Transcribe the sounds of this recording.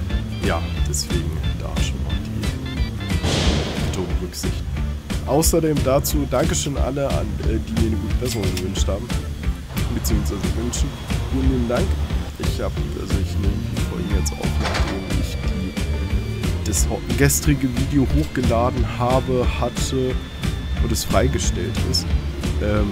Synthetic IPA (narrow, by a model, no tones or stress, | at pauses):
jaːd̥ɛsv̥eːɡŋ̩d̥a̰ːʃoːnma̰ːld̥iː | v̥itəʁʊŋʁʏkz̥ɪçtʔaʊsɐdeːmdaːt͡suːdaŋkəʃøːnʔa̰ləa̰nːdiːmiːɐnəɡuːtə̥pʰɛɐzʊnɡəvʏnʃthaːbm̩ | bət͡siːʊŋsv̥aɪzəvʏnnʃ | uːnliːbn̩daŋkʔɪçhaːbəiʔa̰lzoɪçneːmɪçd̥ifɔ̰lɡŋ̩jɛt͡stʔa̰ʊfnaχdeːnɪ̰çd̥iː | d̥ashɡɛstʁ̥ɪɡəviːdeohoːxɡ̥əlaːdn̩haːbəhatʰə | ʔʊntɛsfʁ̥aɪɡəʃtɛ̰ltʔɪ̰stʔɛːm